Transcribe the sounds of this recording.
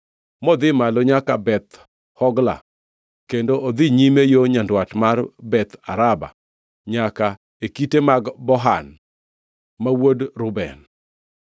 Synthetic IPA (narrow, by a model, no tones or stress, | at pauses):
mɔd̪ɪmaloɲakabɛt̪ | hɔɡla̰ | kendoʔod̪ɪɲimejoɲandwatmarbɛt̪a̰ɾaba̰ | ɲaka | ekitemaɡbɔɦan | mawodɾʊbɛ̰n